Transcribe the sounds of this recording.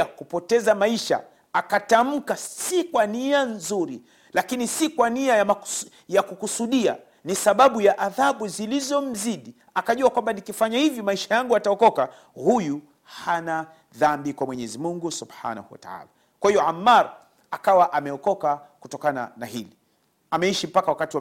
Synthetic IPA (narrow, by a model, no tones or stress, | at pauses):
akupɔtɛzamaiʃa̰ | akatam̩kasikwanianzuɾi | lakinisikwaniajamḁ | jakukusuɗia̰ | nisaɓaɓujaʔaðaɓuzilizɔm̩ziɗi | akaʄuakwambanikifaɲahivjɔmaiʃajaŋɡuataɔkɔka | huju | hana | ðambikwamwɛɲɛzimuŋɡusubħa̰na̰huwa̰ta̰a̰ːla | kwahijɔʕamːaɾ | akawaʔamɛɔkɔkakutɔkana̰na̰hili | amɛiʃim̩pakawakatiwa